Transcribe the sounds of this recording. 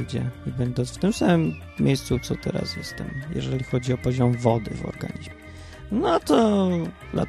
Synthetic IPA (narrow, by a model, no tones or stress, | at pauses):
d͡ʑɛibɛnd̪ɔnsft̪ɘmsamɘmːʲ | ejst̪sut̪sɔt̪ɛɾa̰sjɛst̪ɛmjɛ̰ʐɛlʲixɔd͡ʑiɔpɔʑɔmvɔd̪ɘ̰vɔ̰ɾɡaɲizmɛ | nɔt̪ɔd̪la̰